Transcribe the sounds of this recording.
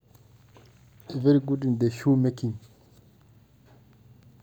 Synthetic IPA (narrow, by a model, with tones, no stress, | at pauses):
i˨ve˦ɾi˦˨ɡu˦di˨n˨de˨ʃu˦me˦ki˨ŋ